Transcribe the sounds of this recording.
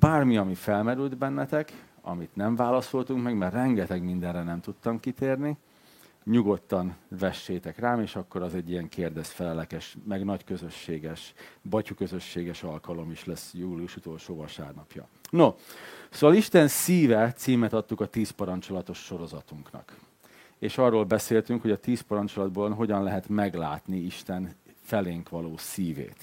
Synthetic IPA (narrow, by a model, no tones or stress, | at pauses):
b̥aːrmiɒmifɛlmɛɾyld̪bɛnːɛt̪ɛk | ɒ̰mit̪nɛɱvaːlɒsolt̪uŋkmɛɡmɛrrɛŋɡɛt̪ɛɡmind̪ɛnrɛnɛmt̪ut̪ːɒmkit̪eːrni | ɲuɡo̞t̪ːɒnvɛʃːeːt̪ɛkraːmeːʃɒkːo̞ɾɒzɛɟːijɛŋkʰeːrd̪ɛst̪fɛlɛlɛkɛʃmɛɡnɒckøzø̞ʃːeːɡɛʃbɒcukøzø̞ʃːeːɡɛʃɒlkɒlo̞miʃlɛsjuːliuʃut̪o̞lʃoːvɒlʃa̰ːrnɒpjɒ̰ | nosoːʋɒliʃt̪ɛnsiːvɛt̪siːmɛt̪ɒt̪ːukɒt̪iːspɒɾɒnt͡ʃo̞lɒt̪o̞ʃːo̞ɾo̞zɒt̪uŋknɒ̰k | eːʃɒrːoːlbɛseːlt̪yŋkho̞ɟɒt̪iːspɒɾɒnt͡ʃolɒd̪̚boːlnɦo̞ɟɒnlɛɦɛt̪mɛɡlaːt̪niiʃt̪ɛnfɛleːŋkʋɒloːsiːvḛːt̪